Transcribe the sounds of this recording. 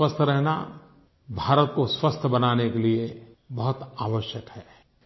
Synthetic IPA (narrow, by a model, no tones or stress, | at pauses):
wəst̪ʰɾɛɦna̰ | bʱaːɾət̪koswəst̪ʰəbɐnaːnekelie | bɐɦʊt̪aːʋəʃjəkhɛː